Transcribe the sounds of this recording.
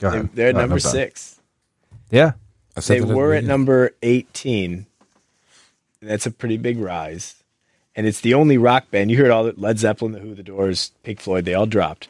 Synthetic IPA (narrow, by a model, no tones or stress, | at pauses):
eɪðə˞ɨtnʌ̃mbə˞sɪks | jæ | ðeɪwə˞ɨtnʌ̃mbə˞eɪtʰĩn | ɨ̃n̩ðætsɨpʰɹ̥ɪɾibɪɡɹaɪz̥ | ɨ̃nɨtsðiõʊ̃nliɹɑk̚b̥æ̃njɨhɜ˞ɾɔlˠðɨlɛdzɛpl̩ˠə̃nðɨhʉðɨdɔɹz̥pʰɪkflɔɪd̪̚ðeɪɔlˠdɹɑ̰p̚t̚